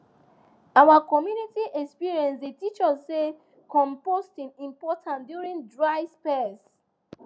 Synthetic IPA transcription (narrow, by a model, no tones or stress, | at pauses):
awakɔmjunitiʔɛkspiɹiɛ̃nsdetit͡ʃɔsse | kɔ̃mpostĩnĩmpɔtʰãndjuɹĩŋdɹaɪspɛs